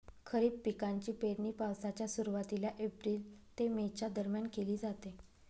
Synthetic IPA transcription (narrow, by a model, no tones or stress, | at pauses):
kʰəɾiːbpikaɲt͡ɕiːpeɽniːpawsat͡ɕjasuɾuʋat̪ilaʔepɾiːlt̪emet͡ɕad̪əɾmjankeliːd͡zat̪e